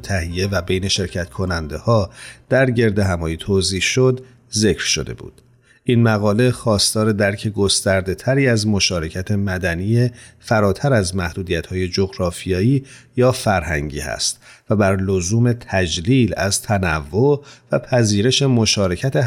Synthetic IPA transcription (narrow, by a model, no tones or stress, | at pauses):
t̪ʰæɦije̞væbejne̞ʃe̞ɾcʰæt̪kʰo̞nænd̪e̞hɒːd̪̥æɾɟe̞ɾd̪e̞ɦæmɒːjit̪ʰoːziːʃo̞d̪ | ze̞cʰɾ̥ʃo̞̰d̪e̞̰bṵːd̪̥ | ʔiːnmæɣɒːle̞xɒːst̪ɒːɾe̞d̪æɾcʰe̞ɡost̪æɾd̪e̞t̪ʰæɾiːæzmo̞ʃɒːɾe̞cʰæt̪ʰemæd̪ænijefæɾɒːt̪ʰæɾæzmæhd̪̥uːd̪ijæt̪hɒːje̞d͡ʒoɣɾɒːfijɒːiːjɒːfæɾhæ̰ŋɟḭːhæ̰st̪væbæɾlozuːme̞t̪ʰæd͡ʒliːlæzt̪ʰænævːovæpʰæziːɾe̞ʃe̞mo̞ʃɒːɾe̞cʰæt̪ʰe̞